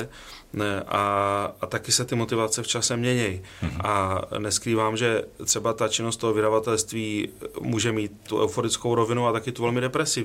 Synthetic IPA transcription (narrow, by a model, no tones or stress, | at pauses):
nɛʔaat̪akɪsɛt̪ɪmo̞t̪ɪvat͡sɛft͡ʃasɛmɲɛɲɛj | ʔanɛskɾiːvaːmʒɛt̪r̥ɛbat̪at͡ʃɪnost̪oɦovɪdavat̪ɛlst̪viːmuːʒɛmiːt̪ːuʔɛ̰wfoɾɪt͡skowɾo̞vɪnualt̪akɪt̪uvɛlmɪdɛpɾɛsɪv